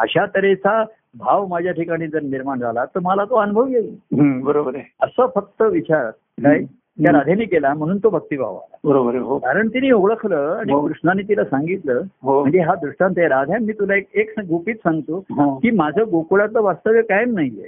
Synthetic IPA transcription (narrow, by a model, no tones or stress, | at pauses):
əɕat̪əɾet͡sa | bʱaʋmad͡ʑʱjaʈʰikaɽ̃iːd͡zəɾniɾmaɳd͡zʱalat̪əɾməlat̪oənubʱəʋjelɦbəɾobəɾeəsəfək̚t̪əʋit͡ɕaɾa̰t̪̚ | kaj | t̪jaɾad̪ʱjaniːkelam̤əɽ̃uːnt̪obʱək̚t̪iːbʱa̰ʋa̰la̰bəɾobəɾeɦokaɾəɳt̪iniːoɡɭəkʰləãikɾuʂɳanːiːt̪ilasãŋɡit̪ləɦoməɳd͡zeɦad̪ɾuʂʈãnt̪jeɾad̪ʱjamːiːt̪ulaekekɡupiːt̪sãŋɡt̪oɦãkiːmad͡ʑʱaɡokuɽat̪ləʋast̪əʋjəkajmnaɦijḛ